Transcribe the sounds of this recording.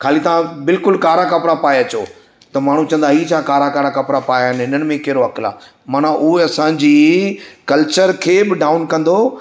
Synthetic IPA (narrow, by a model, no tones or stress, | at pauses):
kʰaːlit̪aãbɪlkʊlkaːɾakɐpɾapaːjɐt͡ɕoː | t̪ɐmaːɳ̤ũt͡ɕɐ̃nd̪aɦiːt͡ɕʰaːkaːɾakaːɾakɐpɾapaːjaɦɪnɪnəɽɪ̆mẽkɛɦɪɾoɐkɪla̰ː | maːn̤aʔʊɦeɐsãd͡ʑiːkɐlt͡ɕəɾkʰeːbɪɖaːʊnkɐ̃nd̪o